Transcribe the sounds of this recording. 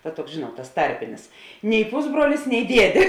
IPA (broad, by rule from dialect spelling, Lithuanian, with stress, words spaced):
ˈtɐ ˈtuɔks ˈʒʲeːnuɔt tɐs ˈtɐrʲpʲɪnʲɪs nʲɛɪ ˈpʊzbruɔlʲɪs nʲɛɪ ˈdʲiɛdʲeː